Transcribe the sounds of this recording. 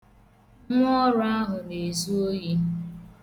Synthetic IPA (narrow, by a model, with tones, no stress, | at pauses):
ŋ˦ɔ˦ɾʊ˦a˦ɦʊ˨ne˨zu˦o˦ji˦